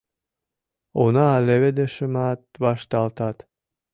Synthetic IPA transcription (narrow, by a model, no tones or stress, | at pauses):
onɑːleβed̪eʃəmɑt̪̚βɑʃt̪ɑlt̪ɑt̪